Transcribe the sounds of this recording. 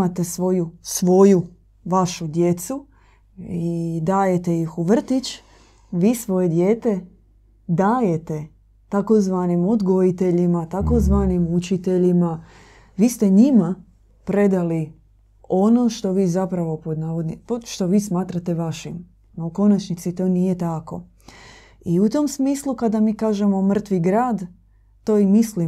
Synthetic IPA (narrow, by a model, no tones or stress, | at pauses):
at̪e̞sʋo̞jusʋo̞ju | ʋaʃud̪je̞t̪su | id̪aːje̞t̪e̞jixuʋr̩t̪it͡ʃ | ʋiːsʋo̞je̞d̪jeːt̪e̞ | d̪aːjet̪e̞ | t̪akozʋaːnimod̪ɡo̞it̪e̞ʎimat̪ako̞zʋaːnimut͡ʃit̪e̞ʎima | ʋiːst̪eɲima | pɾe̞d̪ali | o̞no̞ʃt̪o̞ʋiːzapɾaʋo̞pod̪naːʋod̪nipoʃt̪o̞ʋiːsmaːt̪ɾat̪e̞ʋaʃim | nouko̞nat͡ʃnit̪sit̪o̞ːnije̞t̪ako̞̰ | iut̪o̞msmiːslˠukad̪amiːkaːʒemo̞mr̩t̪ʋiɡɾaːd̪ | t̪o̞ːimisli